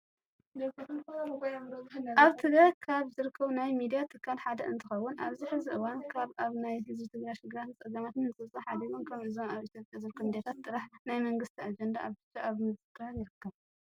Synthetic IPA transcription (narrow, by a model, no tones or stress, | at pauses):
dɐkɐkɐbɐɡojamɾɐbnaβt̪ʰɨɡakʰaβzɨɾɨkʰːɐβnajmid̪ijat̪ʰɨkʰːalħad̪ɐɨnt̪ʰɨxɐwːʊnʔa̰βziħɨziʔɨwankʰaβaβnajhɨzbit̪ʰɨɡɾajʃɪɡɨɾat̪ɨt͡sʼɐzamat̪ɨnːɨt͡sʼɨβt͡sʼɐħad̪iwonkʰɐβɨzonaβit̪ʰjopʼjazɨɾɨkʰːɐmd̪jat̪ʰat̪ːʼɨɾaħnajmɐŋɡɨst̪ʰiad͡ʒɐnd̪aʔaβt̪ɨt͡ʃʼːaʔaβmɨzɨkɾaɾjɪɾɨkːɐβ